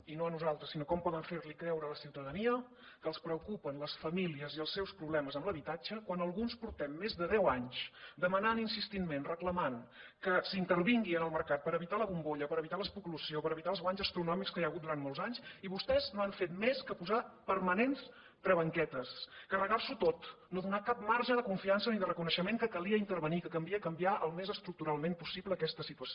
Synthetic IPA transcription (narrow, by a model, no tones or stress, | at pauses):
inoənuzalˠt̪ɾəsinokɔmpɔðəɱfeɾlikɾɛwɾələsiwt̪əðəniə | kəːlˠspɾəukupənləsfəmiliəziəlˠsːɛwspɾuβlɛməzəmbləβit̪ad͡ʒəkwanəlˠɣunspuɾt̪ɛmːezðəðɛwaɲsd̪əmənaninsist̪inmenrəkləmankəsint̪əɾβiŋɡiənəlˠməɾkat̪̚pəɾəβit̪aləɣumboʎəpəɾəβit̪aləspuklusiopəɾəβit̪alˠzɣwaɲzəst̪ɾunɔmikskəjaəɣut̪̚d̪uɾanmoɔlˠzaɲsiβust̪ɛznoaɱfet̪meskəpuzapəɾmənens | p̪ɾəβəŋkɛt̪əskərəɣalsut̪ot̪noðunakap̚maɾʒəðəkuɱfiansəniðərəkunəʃəmeŋkəkəliəint̪əɾβənikəkəmbiəkəmbiaʔəlˠmezəst̪ɾuk̚t̪uɾalˠmempusiβləːkɛst̪əsit̪uəso